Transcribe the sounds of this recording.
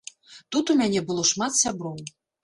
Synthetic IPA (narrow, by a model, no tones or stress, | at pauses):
t̪ut̪umʲanʲɛbɨlˠɔʂmat̪sʲabɾɔw